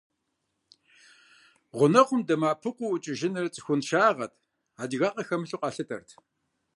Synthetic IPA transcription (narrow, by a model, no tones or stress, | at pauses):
ʁʷʊnɐqʷʰʊmdɐmaːpʰɨqʷʊʊt͡ʃʼɪʒɪnɨrt͡sʼxʷʊnʃaːʁɐtʰ | aːdɣaːqɐxɐmɨɬuqʷʼɑːɬɨtʰɐ̰rtʰ